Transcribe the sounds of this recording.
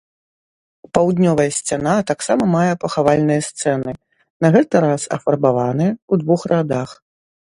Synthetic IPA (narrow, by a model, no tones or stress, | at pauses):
pawd̪nʲɔvɐjɐsʲt͡sʲan̪at̪aksamɐmajɛpɐxavalʲnɨjɐst̪sɛnɨ | nɐɣɛt̪ɨɾasɐ̰fɐrbavanɨjɛud̪vuxrad̪ax